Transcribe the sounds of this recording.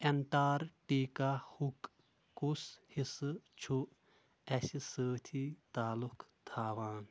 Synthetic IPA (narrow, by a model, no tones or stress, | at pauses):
enʈaːɾʈiːkahuk | kushist͡ʃʰu | ɐsisəːt̪ʰit̪aːlukʰt̪ʰaːʋaːn